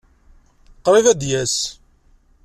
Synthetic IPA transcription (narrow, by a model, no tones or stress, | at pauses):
qːɾˤivæd̪jæs